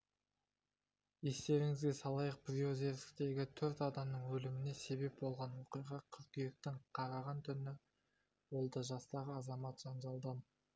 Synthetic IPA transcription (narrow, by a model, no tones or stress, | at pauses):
e̞st̪e̞ɾɪŋɪzɡʲesɑlˠɑjəq̚pɾioze̞ɾsɪ̥k̚t̪e̞ɡʲɪt̪ʰɵɾt̪ɑd̪ɑmnəɴwɵlɪmɪne̞se̞be̞p̚bo̞lˠʁɑnmʊqijʁɑqʲʰʏɾkijek̚t̪ɪŋqʰɑɾɑʁɑnt̪ʰʏnɪ | wo̞lˠd̪ɑʒɑst̪ɑʁəɑzɑmɑt̪ʒ̥ɑnʒɑlˠd̪ɑm